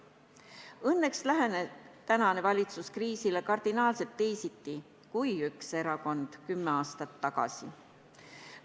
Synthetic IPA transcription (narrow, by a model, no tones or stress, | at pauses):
ɤnːe̞kslæɦenet̪ænɑne̞vɑlʲit̪suskriːsile̞kɑrd̪̥inɑːlse̞lt̪ːe̞jsit̪ːi | kujykse̞ɾɑko̞nd̪̥kymːeɑːst̪ɑt̪ːɑɡ̥ɑ̰si